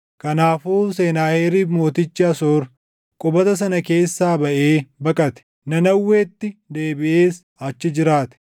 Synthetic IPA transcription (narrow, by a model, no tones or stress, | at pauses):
kɐnaːfuːse̞ːnaːheːɾiːfmo̞ːt̪ɪt͡ʃːɪɐsoːɾ | kʼʊbɐt̪ɐs̬ɐnɐke̞ːsːaːbɐʔeːbɐkʼɐt̪ɛ̥ | nɐnɐwːe̞ːt̪ːɪd̪eːbɪʔeːs | ɐt͡ʃːɪd͡ʒɪɾaːt̪ɛ̥